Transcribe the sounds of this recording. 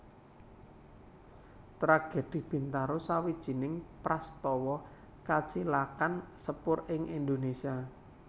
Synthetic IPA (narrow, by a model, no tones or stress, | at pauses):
t̪ɾaɡ̥e̤d̪̥i̤b̥i̤nt̪aɾosawid̥ʒ̥i̤nɪŋpɾast̪ɔwɔ | kat͡ʃilakansəpʊrɪŋʔind̪onesia